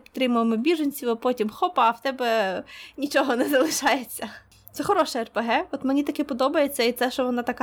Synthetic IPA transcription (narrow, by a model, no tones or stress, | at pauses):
pʲt̪ɾɪmʊʋemɪbʲiʒɐnʲt͡sʲiwɐpɔtʲimxɔpɐːwt̪ɛbɛnʲit͡ʃɔɦɔnɛzɐlˠɪʃɑjet͡sʲːɐ | t̪sɛxɔɾɔʃɛɛrpeɦɛɔt̪menʲit̪ɐkɪpɔd̪ɔbɐjet͡sʲːɐit̪sɛʃt͡ʃɔʋɔnɑt̪ɐkɑ